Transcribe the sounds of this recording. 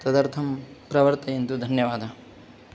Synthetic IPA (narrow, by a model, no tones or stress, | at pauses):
t̪ɐd̪ɐɾt̪ʰɐmpɾɐʋɐɾt̪ɐjent̪ud̪ʱɐnjɐʋaːd̪ʱɐ